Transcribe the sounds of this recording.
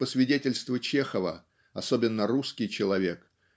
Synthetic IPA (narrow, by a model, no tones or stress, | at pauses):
pəsvʲɪdʲetʲɪlʲst̪vət͡ɕexəvə̰ | ɐsobʲɪnːəruskʲɪjt͡ɕɪlˠɐvʲe̞k